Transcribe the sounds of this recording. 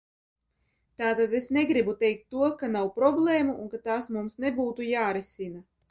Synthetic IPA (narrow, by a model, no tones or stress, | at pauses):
t̪aːt̪ad̪esneɡɾibut̪ɛjk̚t̪ːuɔkanawpɾɔblˠeːmuʔunkat̪aːsmumsnebuːt̪ujaːɾisina